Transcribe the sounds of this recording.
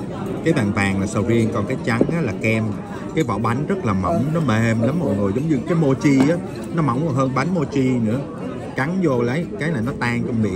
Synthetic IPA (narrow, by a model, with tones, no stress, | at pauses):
kaː˨˦jɓaː˨˩nvaː˨˩ŋlaː˨˩səː˧wvi˧ənkɔ˨˩nkaː˨˦jt͡ɕa˨˦ŋʔaː˨˦laː˨˩kɛ˧m | kaː˨˦jvɔ̰˧˩ɓa˨˦jŋ̟zə˦˥t̚laː˨˩mə̰˧˩˨wŋ͡mnɔ˨˦me˨˩mla˨˦mːo˨˩jŋo˨˩jzə˨˦wŋ͡mɲɨ˧kaː˨˦jmo˧t͡ɕi˧ʔaː˨˦ | nɔ˨˦ma̰˧˩wŋ͡mhəː˧nɓa˨˦jnmo˧t͡ɕi˧nɨ̰˧˥ə | ka˨˦ŋzo˨˩lə˨˦jkaː˨˦jnaː˨˩jnɔ˨˦t̪aː˧ŋt͡ɕɔ˧ŋ͡mmḭ˧˨